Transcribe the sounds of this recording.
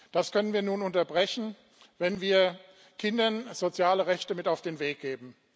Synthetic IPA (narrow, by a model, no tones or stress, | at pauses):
d̥askʰœnənviːɐnuːnʊntɐbʁɛçn̩ | vɛnviːɐ | kʰɪndɐnz̥ot͡sjaːləʁɛçtəmɪtaʊfd̥eːnveːk̚ɡ̥eːbm̩